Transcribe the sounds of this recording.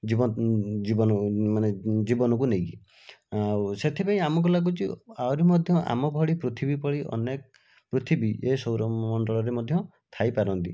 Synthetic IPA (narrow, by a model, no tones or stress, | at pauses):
d͡ʒibɔd͡ʒibɔnɔmaned͡ʒibɔnɔk̬unejki | awset̪ʰipaĩamɔk̬ɔlak̬ut͡ʃiawɾimɔd̪ʱjɔʔa̰mɔbʱɔɭipɾut̪ʰibipɔɭiʔɔ̰nek | pɾut̪ʰibiʔesɔwɾɔmɔɳɖɔɭɔɾemɔd̪ʱjɔ | t̪ʰajpaɾɔnt̪i